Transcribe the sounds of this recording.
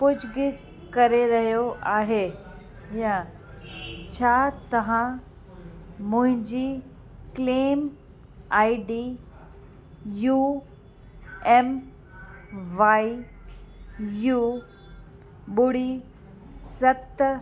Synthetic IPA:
pʊd͡ʑʱɡɪ | kɐɾeɾɐɦijoʔaːɦeː | jã | t͡ɕʰaːt̪ɐʋ̤ã | mʊ̃ɦɪ̃ɲd͡ʑi | kleːm | aːiɖiː | juː | ɛːm | ʋaːi | juː | ɓʊɽ̤i | sɐt̪

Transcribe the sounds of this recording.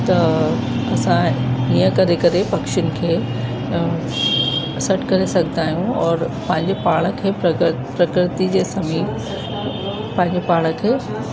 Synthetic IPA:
t̪ɐ | ɐsãijə̃kɐɾekɐɾepɐkʃʊnɪ̆kʰeː | sɐʈʰkɐɾesɐɡʱə̃nd̪aːɦijũɔːɾpɐ̃ɦɪ̃ɲd͡ʑepaːɭ̃ə̆kʰeː | pɾɐkɾɪt̪id͡ʑeːsɐmiː | pɐ̃ɦɪ̃ɲd͡ʑepaːɭə̆kʰeː

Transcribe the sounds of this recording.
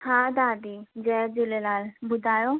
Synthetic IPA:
hãːd̪aːd̪id͡ʒɛd͡ʒelelaːlbʊd̪ʱaːjo

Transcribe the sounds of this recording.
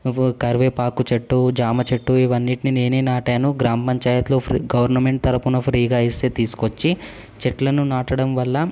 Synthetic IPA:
kɐɾʋeːpaːkut͡ʃeʈːud͡ʒaːmɐt͡ʃeʈːuiʋɐnːiʈinine̞ːneːnaːʈaːnuɡɾaːmɐpɐɲt͡ʃaːjɐt̪loːpʰɾɡɐʋɐɾnɐme̞ɳʈ̚t̪ɐɾɐpunɐpʰɾiːɡaːist̪eːt̪iːsu̥kot͡ʃːi | t͡ʃeʈlɐnunaːʈɐɽɐmʋɐlːɐ

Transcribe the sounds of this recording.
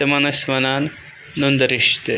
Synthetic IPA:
emɐnɐsmɐnaːnː | und̪ɐɾiʃt̪e

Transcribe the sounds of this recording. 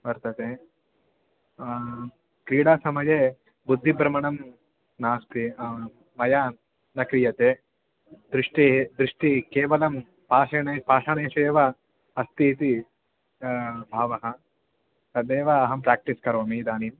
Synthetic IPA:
bɐɾt̪ɐt̪eː | kɾiːɽaːsɐmɐjeː | bud̪ʱːibɾɐmɐɳɐm | naːst̪i | mɐjaː | nɐkɾijɐt̪eː | d̪ɾiʂʈid̪ɾiʂʈikeːʋɐlɐm | paːʂɐɳɐpaːʂɐɳeːʃeːʋɐ | ɐst̪it̪i | bʱaːʋɐɦɐ̆ | sɐd̪eːʋɐːɦɐmpɾaːk̚ʈiskɐɾoːmid̪aːnim

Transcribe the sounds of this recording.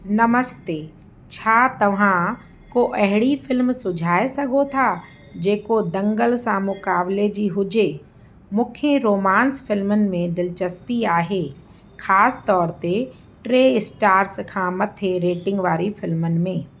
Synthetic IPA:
nɐməst̪eː | t͡ɕʰaːt̪ɐʋ̤ã | koʔɐɦɪɽifɪlmsʊd͡ʑʱaːesɐɡʱot̪ʰa | d͡ʑeːkod̪ɐ̃ŋɡəlsãmʊkaːbled͡ʑiːɦʊd͡ʑe | mʊ̃ːkʰeɾoːmãːnsfɪlmənɪ̆mẽd̪ɪlt͡ɕɐspiaːɦeː | xaːsɪ̥t̪ɔːɾt̪e | ʈɾeːɪsʈaːɾskʰãːmɐt̪ʰeɾeːʈɪ̃ŋɡʋaːɾifɪlmənɪ̆mẽː

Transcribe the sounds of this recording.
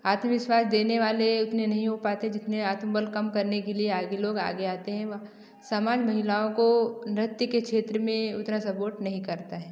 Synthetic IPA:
aːt̪məʋɪʃwaːsd̪eːneʋaːleʊt̪nẽnɐɦĩɦopaːt̪eɦɛ̃d͡ʒɪt̪neaːt̪mbəlkɐmkɐɾnekelieaːɡeloːɡa̰ːɡeaːt̪eɦɛ̃ʋ | sɐmaːd͡ʒmɐɦɪlaːõkonɪɾɪt̪jəkekʃeːt̪ɾəmẽʊt̪nasɐpoːɾʈnɐɦĩkɐɾt̪aɦɛː

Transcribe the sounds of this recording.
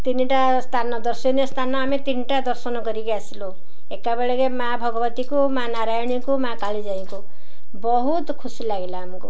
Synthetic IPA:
t̪iniʈa | st̪ʰanɔd̪ɔɾsɔniɔst̪ʰanɔamet̪iniʈad̪ɔɾsɔnɔkɔɾikiasilo | ekːabeɭekemaabʱɔɡɔbt̪ikumanaɾajɔɽ̃ikumakaɭid͡ʒaĩku | bɔɦut̪kʰusilaɡilaːmɔku

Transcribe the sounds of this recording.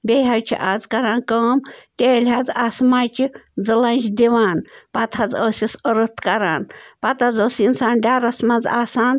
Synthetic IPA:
bʲeɦajʲt͡ʃʰḭʔazkɐɾaːnkəːmt̪ʲeːlʲɦad͡zasmajt͡ʃid͡zɨlanʲt͡ʃid̪ʲiʋaːnpɐt̪ʰad͡zəːsisəɾət̪kɐɾa̰ːnpɐt̪ʰazoːsinsaːnɖʲaːɾɐsmɐd͡za̰ːsaːn

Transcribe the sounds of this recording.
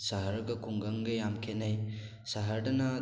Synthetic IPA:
saɦɐɾɡɐkʰuŋɡɐŋɡɯjamkʰet̚naj | saɦɐɾdɐnɐ

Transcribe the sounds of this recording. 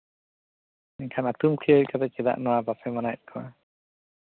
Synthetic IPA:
ɛɲkʰanat̪umkʰijəɾkat̪ɛt͡ʃɛd̪a̰ʔnɔwabasɛmanakʰɔwa

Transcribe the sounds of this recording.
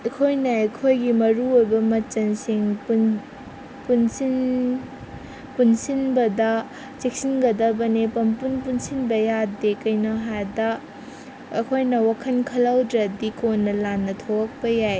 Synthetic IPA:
ɐkʰojnɐɐjkʰojɡimɐɾuojbɐmɐt͡ʃɐnsiŋpn | punsin | punsinbɐdɐ | t͡ʃek̚sinɡɐdɐbɐnipɐmpunpunsinbɐjadekɐjnoɦadɐ | ɐkʰojnɐwakʰɐnkʰɐlawdɾɐdikʰonːɐlanːɐtʰowɐk̚pɐjaj

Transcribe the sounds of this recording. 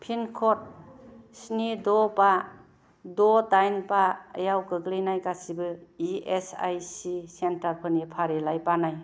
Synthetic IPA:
pʰinkʰɔt̚snidɔpa | dɔtajnpaə̰jawkɯɡlinajkasibɯiesa̰jsisentaɾpʰɯnipʰaɾelajpanaj

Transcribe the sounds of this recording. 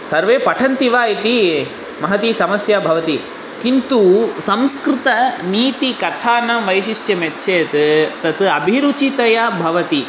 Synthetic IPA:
sɐɾʋeːpɐʈʰɐnt̪iʋaːit̪i | mɐɦɐt̪isɐmɐsjɐbʱɐʋɐt̪i | kint̪usɐ̃mskɾɪt̪ɐniːt̪ikɐt̪ʰaːnɐʋɐjʃiʂʈjɐmetːʃʰeːt̪t̪ɐt̪ɐbʱiɾut͡ʃit̪ɐjɐbʱɐʋɐt̪i

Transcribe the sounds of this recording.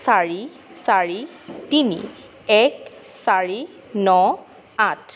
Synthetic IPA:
saɹi | saɹi | tinḭ | ɛksaɹi | nɔ | atʰ

